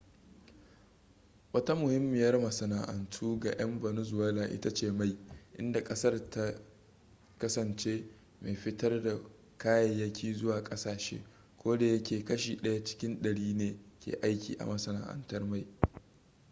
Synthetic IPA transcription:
wɐ˦ta˦mʊ˨hɪ˦mːɪ˨jɐ˦rmɐ˨sɐ˨naː˨ʔɐ˨ntʰuː˦ɡa˨j̰ɐ˦mbɐ˨nʊ˦zʊ˨wɛː˦laː˨ʔɪ̰˦ta˦t͡ʃeː˦˨ma˦jʔɪ̰˦nda˨kʼɐ˦sɐ˦rta˦ | kɐ˦sɐ˨nt͡ʃeː˦ | ma˨jɸɪ˦tɐ˦rda˨ | kaː˦jɐ˨jːɐ˦kʲʰiː˦zʊ˦waː˨kʼɐ˦saː˨ʃḛː˦ | kʷoː˦da˨jɐ˦kʲeː˨kɐ˦ʃiː˨ɗɐ˦ja˦t͡ʃɪ̥˦kʲɪ˦nɗɐ˨ɽiː˦neː˨kʲḛː˨ʔa˦jkʲḭː˨ʔa̰˨mɐ˨sɐ˨na̰ː˨ʔɐ̰˨ntɐ˦rma˦˨j

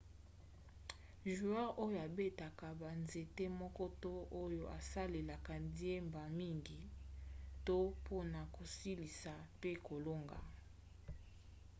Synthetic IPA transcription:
ʒu˨a˦ʁo˦jo˨a˨be˦ta˨ka˨ba˨nze˨te˦mɔ˦kɔ˦to˦ʔo˦jo˨ʔa˨sa˦le˨la˨ka˨di˦e˦mba˨mi˦ŋɡi˨ | to˦po˦na˨ko˨si˦li˨sa˨pe˦ko˨lo˦ŋɡa̰˨

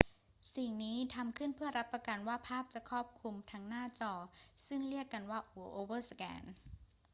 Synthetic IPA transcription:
si˨˩ŋniː˦˥t̪ʰa˧mkʰɯ˥˩npʰɯ˥˩ɐɾa˦˥pːɾa˧ka˧nwaː˥˩pʰaː˥˩p̚t͡ɕa˨˩kʰɔː˥˩p̚kʰu˧mt̪ʰa˦˥ŋnaː˥˩t͡ɕɔː˧sɯ˥˩ŋɾi˥˩əkːa˧nwaː˥˩ʔu˩˦ʔoː˧wɤː˥˩sa˧kɛ̰ː˧˥n

